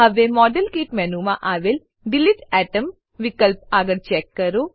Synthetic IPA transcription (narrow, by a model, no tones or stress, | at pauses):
ɐʋemɔːɖɐlkiːʈmenumaʔaːʋel | ɖiliʈɛːʈɐm | ʋikɐlp̚aːɡɐɽt͡ʃeːkːɐɾu